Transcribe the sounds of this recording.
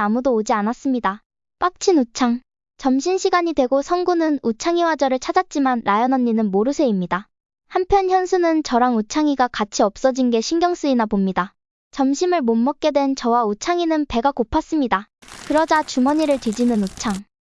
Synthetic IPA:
amudoːd͡ʑianas͈ɯmɲida | p͈ak̚t͡ɕʰinut͡ɕʰaŋ | t͡ɕʌmɕʰinɕʰiɡaɲidwe̞ɡosʰʌnɡunɯnut͡ɕʰaŋiwad͡ʑʌɾɯɭt͡ɕʰad͡ʑat̚t͡ɕ͈imanɾajʌnʌnːinɯnmoɾɯsʰe̞imɲida | hampʰjʌnçjʌnsʰunɯnt͡ɕʌɾaŋut͡ɕʰaŋiɡakat͡ɕʰiʌp̚s͈ʌd͡ʑinɡe̞ɕʰinɡjʌŋs͈ɯinapomɲida | t͡ɕʌmɕʰimɯɭmomːʌk̚k͈e̞dwe̞nt͡ɕʌwaut͡ɕʰaŋinɯnpe̞ɡakopʰas͈ɯmɲidakɯɾʌd͡ʑat͡ɕumʌɲiɾɯɭtwid͡ʑinɯnut͡ɕʰaŋ

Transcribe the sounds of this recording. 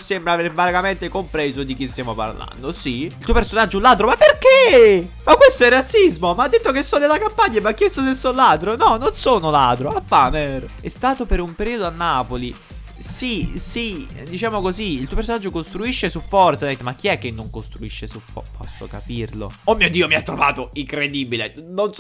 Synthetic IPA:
sembɾaveɾvaɡament̪ekompɾezod̪ik̟ist̪jaːmopa̰rla̰nd̪osiilt̪uːopersonad͡ʒːolːad̪ɾomapːerkemakːwest̪oɛrːat̪sːizmomaad̪ːet̪ːokesːɔd̪elːakampaɲːaevakːjest̪osesːolad̪ɾonɔnonsoːnolad̪ɾoapːaːner | ɛst̪aːt̪opeɾumpeɾiːod̪oanːaːpoli | sisi | d̪it͡ʃaːmokoziːlt̪uopesonad͡ʒːokost̪ɾuiʃːesufɔrt̪sanit̪mak̟ːiɛkːenːoŋkost̪ɾuiʃːesufɔ̰pʰɔsːo̰kapirlo̰omːiod̪iomiat̪ːɾova̰ːt̪oiŋkɾed̪iːbilenon

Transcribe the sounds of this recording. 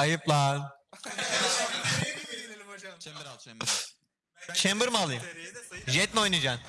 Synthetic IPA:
ajɯplˠaɾ | t͡ʃʰɛmbɯɾmalˠɯmʒɛt̪̚ʲmeojnɯd͡ʒaːn

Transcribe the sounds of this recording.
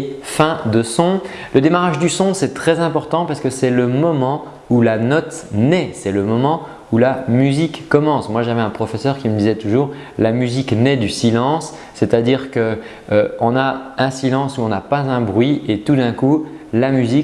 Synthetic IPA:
fɛ̃d̪əsɔ̃ | ləd̪emaʁaʒd̪ysɔ̃sɛt̪χɛzɛ̃pɔʁt̪ɑ̃paʁskəsɛləmɔmɑ̃ | ulanɔt̪nɛsɛləmɔmɑ̃ | ulamyzikːɔmɑ̃smwaʒavɛɛ̃pχɔfɛsœʁkʲiməd̪izɛt̪uʒuːʁ | lamyziknɛd̪ysilɑ̃sː | et̪ad̪iʁkə | ɔ̃naɛ̃silɑ̃suɔ̃napazɛ̃bʁɥiet̪ud̪ɛ̃kulamyzik

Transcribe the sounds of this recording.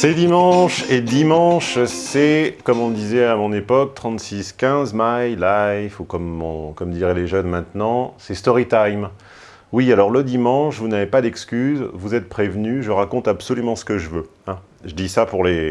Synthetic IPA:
sed̪imɑ̃ʃed̪imɑ̃ʃsɛkɔmɔ̃d̪izɛamɔ̃nepɔk̚t̪χɑ̃t̪siskʲɛ̃zmajlajfukɔmɔ̃kɔmd̪iʁɛleʒœnmɛ̃t̪nɑ̃sɛst̪ɔʁit̪ajm | wialɔʁləd̪imɑ̃ʃvunavepad̪ɛkskʲyzvuzɛt̪̚pχevnyʒəʁakɔ̃t̪absɔlymɑ̃sə̥kəʒəvøɛ̃ | ʒəd̪isapuʁle

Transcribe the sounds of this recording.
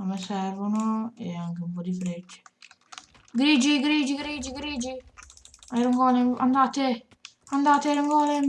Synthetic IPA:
amːɛsɛrvonoɛaŋkeumpɔd̪ifɾɛt͡ʃːe̥ | ɡɾiːd͡ʒiɡɾiːd͡ʒiɡɾiːd͡ʒiɡɾiːd͡ʒi | aeɾuŋɡɔːlea̰nd̪aːt̪e | and̪aːt̪aɾuŋɡɔːle

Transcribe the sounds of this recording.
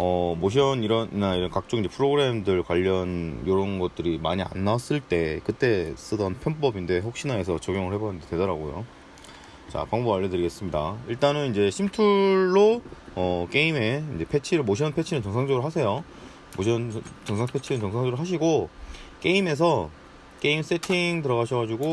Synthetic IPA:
ʌmoɕ̬ʰʌniɾʌnnaiɾʌnkak̚t͡ɕ͈oŋiɲd͡ʑe̞pʰɯɾoɡɯɾe̞mdɯɭkwaʎːʌnjoɾʌnɡʌt̚t͈ɯɾima̰ɲia̰nːas͈ɯɭt͈e̞kɯt͈e̞s͈ɯdʌnpʰjʌnp͈ʌbinde̞ɸok̚ɕ͈inae̞s̬ʰʌt͡ɕʌɡjoŋɯɭhebʌnɯndetwe̞dʌɾaɡojo̰ | t͡ɕa̰paŋboaʎːʌdɯɾiɡe̞s͈ɯmɲida̰iɭt͈anɯnind͡ʑe̞ɕʰimtʰuɭːoʌk͈e̞ime̞ind͡ʑe̞pʰe̞t͡ɕʰiɾɯɭmoɕ̬ʰʌnpʰe̞t͡ɕʰinɯnt͡ɕʌŋsʰaŋd͡ʑʌɡɯɾɭɦas̬ʰe̞jo | moɕʰʌnt͡ɕʌŋsʰaŋpʰe̞t͡ɕʰinɯnt͡ɕʌŋsʰaŋd͡ʑʌɾɯɭɦaɕ̬ʰiɡok͈e̞ime̞s̬ʰʌ | k͈e̞ims͈e̞tʰiŋtɯɾʌɣaɕʰʌɡad͡ʑuɡo

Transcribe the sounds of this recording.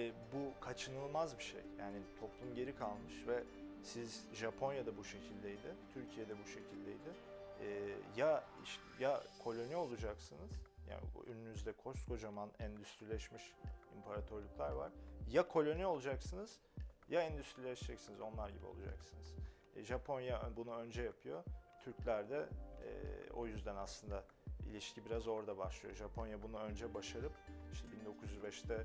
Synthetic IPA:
ɛbukʰat͡ʃʰɯnɯlˠmazbiʃḛjjaːnit̪ʰo̞plˠumɟe̞ɾikʰalˠmɯʃvɛ | sizʒapʰo̞njad̪abuʃe̞cʰilʲd̪ejd̪ɪt̪ʰyɾcʰijed̪ɛbuʃe̞cʰilʲd̪ejd̪ɪː | jaḭʃt̪ɛjakʰo̞lʲo̞nio̞lˠud͡ʒaksɯnɯz̥ja̰ːn̰y̰nynyzd̪ɛkʰo̞sko̞d͡ʒamanɛnd̪yst̪ɾilʲɛʃmiʃimpʰaɾat̪ʰøɾlˠuklˠaɾva̰ɾ̥jakʰo̞lʲo̞nio̞lˠud͡ʒaksɯnɯz̥ | jaɛnd̪yst̪ɾilʲɛʃid͡ʒɛcsinizo̞nlˠaɾɟḭbio̞̰lˠud͡ʒa̰ksɯnɯz̥ | ʒapʰo̞njabunuø̞nd͡ʒɛjapʰɯjo̞t̪ʰyɾclʲæɾd̪ɛ̰ː | o̞̰jyzd̪ænaslˠɯnd̪a | ḭlʲiʃcʰibiɾazo̞ɾd̪abaʃlˠɯjo̞̰ʒapʰo̞njabunuø̞nd͡ʒɛbaʃaɾɯpiʃt̪ʰɛbind̪o̞kʰuzyzbɛʃt̪ɛ

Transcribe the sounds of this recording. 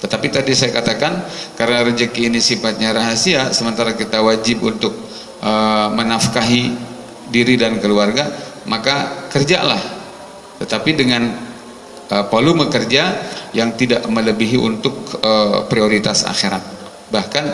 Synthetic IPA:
t̪ət̪apit̪adisajakat̪akankaɾənaɾəd͡ʒəkiːnisifat̪̚ɲaɾaɦasiasəmənt̪aɾakit̪awad͡ʒɪp̚unt̪ʊk̚ | ʔəmənafkaɦi | diɾidankəluarɡa | makakərd͡ʒa̰la̰h | t̪ət̪apidəŋan | əpəluməkərd͡ʒajaŋt̪idaʔmələbiɦiʔṵnt̪ʊk̚əpɾioɾit̪asa̰xiɾa̰t̪̚ | bahkan

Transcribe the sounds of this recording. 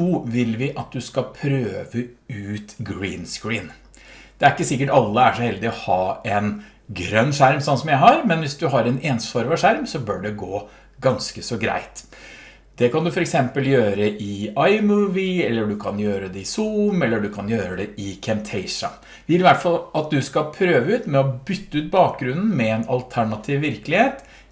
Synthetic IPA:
uːʋɪlʋɪʔɑt̪̚d̪ʉskɑpʰɾøːʋəʉːt̪ɡɹiːnskɹiːn | d̪̥ɛæɾɪkːəsɪkːəʈɑlːəæʂɔhɛld̪ɪɔhɑːɛn | ɡɾœnːʂæɾmsɔnsɔmjæɪɦɑɾmɛnʋɪsd̪ʉɦɑɾɛneːnsfɔɾmɑʂæɾmsɔbøːɖɛɡoː | ɡɑnskəsɔɡɾæ̰ɪt̪ | d̪̥ɛkʰɑnd̪ʉfɔɾɛksɛmpəljøːɾəʔɪɑɪmʉːʋɪɛlːəɖʉkʰɑnjøːɾəd̪ɛɪsumɛlːəɖʉkʰɑnjøːɾəd̪ɛɪkʰɛmt̪ʰɛɪʂɑ̰ | ʋɪlɪʋæʈfɑlɑt̪̚d̪ʉskɑpʰɾøːʋəʉːt̪mɛɔbʏt̪ːəʉːt̪̚bɑːk̚ɡɾʉnːn̩mɛɛnɑ̰lt̪ʰæɳɑt̪ʰiːʋːɪɾkəlɪheːt̪

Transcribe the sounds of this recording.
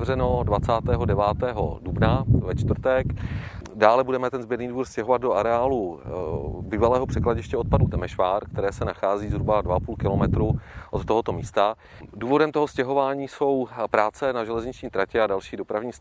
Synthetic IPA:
rɛno̞dvat͡saːt̪ɛːɦo̞dɛvaːt̪ɛːɦo̰dubnavɛt͡ʃt̪vɾ̩t̪ɛkdaːlɛbudɛmɛt̪ɛnzbɪd̪niːduːɾscɛɦo̞vad̪̚doʔaɾɛaːlu | biːvalɛːɦopr̝̥ɛklaɟɪʃcɛot̪̚padut̪ɛmɛʃvaːɾkt̪ɛɾɛːsɛnaxaːziːzɦɾubadvaapuːlkɪlomɛt̪ɾuʔot̪ːoɦo̞t̪o̞miːst̪a | duːvo̞dɛmt̪o̞ɦo̞scɛɦo̞vaːɲiːso̞wpɾaːt͡sɛnaʒɛlɛzɲɪt͡ʃɲiːt̪ɾacɛadalʃiːdo̞pɾavɲiːs

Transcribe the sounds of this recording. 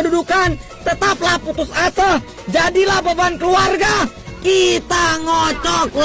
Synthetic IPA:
dudukan | t̪ət̪aplahput̪ʊsasəh | d͡ʒadilahbabankəluarɡa | kit̪aŋɔt͡ʃɔkl

